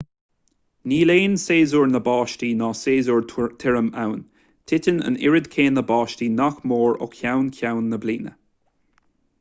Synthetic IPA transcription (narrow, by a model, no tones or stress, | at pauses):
niːleːnseːzuɹnəbɑːʃtiːnɑːseːzuɹt̪ʰɪɹəma̰wn | tʰɪtənə̰nɪ̰ɹɪd̪kʰeːnəbɑːʃtiːnaxmoːɹʊ̰kʰjawnkʰawnːəbliːnə̰